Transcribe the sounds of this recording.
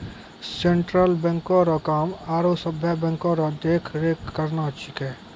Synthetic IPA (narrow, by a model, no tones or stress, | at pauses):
sẽɳʈɾəlbɛ̃ŋkoːɾakaːmaːɾosəbʱjabɛ̃ŋkoɾad̪eːkʰɾeːkːəɾnaːt͡ʃɪkɛː